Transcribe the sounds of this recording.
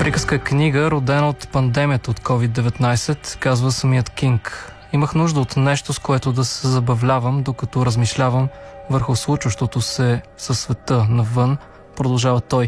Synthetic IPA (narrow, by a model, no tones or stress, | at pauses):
pɾikəskəkniɡəɾod̪ɛnəot̪pɐnd̪ɛmijət̪əot̪kɔvid̪ːɛvɛt̪najsɛt̪kazvəsəmiət̪kʲiŋk | iməxnuʒd̪əot̪nɛʃt̪oskoɛt̪od̪ɐsɛzɐbɐvlʲavəmd̪okɐt̪ɔɾəzmiʃlʲavəmvəɾxʊslˠut͡ʃvəʃt̪ot̪osɛsəsːvɛt̪ɤnɐvɤn | pɾod̪ɐlˠʒavət̪ɔj